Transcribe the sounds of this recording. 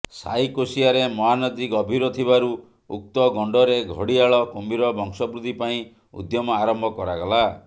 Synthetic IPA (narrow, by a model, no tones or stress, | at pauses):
sa̰jkosiaɾemɔɦanɔd͡ʒikɔbʱiɾɔt̪ʰibaɾu | uk̚t̪ɔɡɔɳɖɔɾeɡʱɔɽiaɭɔkombiɾɔbʱɔŋsɔbɾud̪ʱipaĩ | ṵd̪jɔmɔaɾɔmbʱɔkɔɾaɡɔla